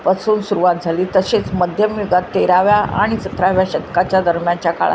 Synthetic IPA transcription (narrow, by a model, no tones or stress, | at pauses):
pəsuːnsuɾuʋat̪̚d͡zʱaliːt̪əɕet͡sməd̪ʱjəmjoɡat̪ːeɾaʋjaʔa̰ɽ̃isət̪ɾaʋjaɕet̪kat͡ɕjad̪əɾmjãnt͡ɕjaka̰ɭa̰